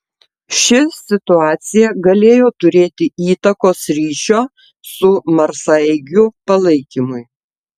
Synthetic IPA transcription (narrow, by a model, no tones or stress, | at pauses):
ʃʲɪsʲɪt̪ʊɑːt̪sʲɪjɛɡɐlʲeːjoːt̪ʊɾʲeːt̪ʲɪiːt̪ɐkoːsɾʲiːʃʲoː | sʊmɐɾsɐɪɡʲʊpɐlˠɐɪkʲimʊɪ